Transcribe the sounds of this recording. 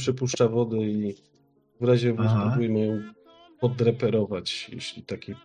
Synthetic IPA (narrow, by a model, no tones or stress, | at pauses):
pʂɛpuʂt͡ʂavɔd̪ɘi | vɾaʑɛvɔzt̪ɔbujɛmɘjɔ̃w̃ | pɔd̪ɾɛpɛɾɔvat͡ɕjḛɕlʲit̪akʲi